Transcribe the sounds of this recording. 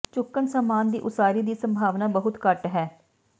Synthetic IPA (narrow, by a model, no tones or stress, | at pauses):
t͡ʃʊkːənsaːmaːnd̪ḭːʔʊsaːɾiːd̪iːsəmbʱaːʋnaːbəɦʊt̪kəʈɦɛː